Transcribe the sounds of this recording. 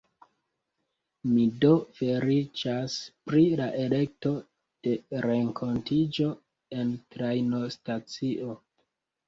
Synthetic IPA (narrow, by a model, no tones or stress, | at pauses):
mido̞fe̞ɾit͡ʃaspɾilaʔe̞le̞k̚to̞ | d̥e̞ɾe̞ŋkʰo̞ntid͡ʒo̞ | e̞ntɾajno̞stat͡siʔo̞